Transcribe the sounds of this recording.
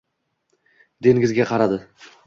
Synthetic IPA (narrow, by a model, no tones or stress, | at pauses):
d̪e̞ŋɡʲɪzɡʲaqʰɑɾad̪ɪ